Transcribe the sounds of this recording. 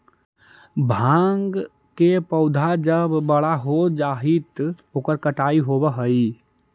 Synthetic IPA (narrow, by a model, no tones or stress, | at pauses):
bʱãŋɡ | kepəʊd̪ʱad͡ʒəbːəɽaɦod͡ʒaɦit̪oːkəɾkəʈaːiɦobəɦəi